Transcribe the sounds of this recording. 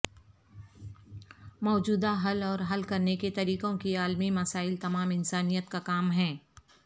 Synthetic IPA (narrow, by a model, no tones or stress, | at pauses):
mɔːd͡ʒuːd̪aɦɐlɔːɾɦɐlkɐɾneket̪ɐɾiːkõkiaːlmimɐsaːɪlt̪ɐmaːmɪnsaːnijət̪kakaːmɦɛ̃ː